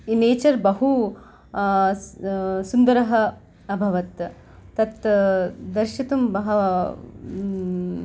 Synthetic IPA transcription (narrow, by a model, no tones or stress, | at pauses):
ineːt͡ʃɐɾbɐɦu | sund̪ɐɾɐɦɐ | ɐbʱɐʋɐt̪ | t̪ɐt̪ | d̪ɐɾʃɐt̪umbɐɦɐ